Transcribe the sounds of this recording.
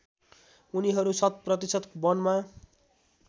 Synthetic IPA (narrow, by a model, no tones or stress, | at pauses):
uniɦʌɾusʌt̪̚prʌt̪isʌt̪kbʌnma